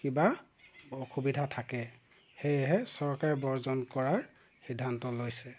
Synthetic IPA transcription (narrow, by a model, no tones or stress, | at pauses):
kiba | ɔkʰubidʱatʰakɛ | xejɛɦɛsɔɹkaɹɛbɔɹzɔnkɔɹaɹ | xidʱːantɔlojsɛ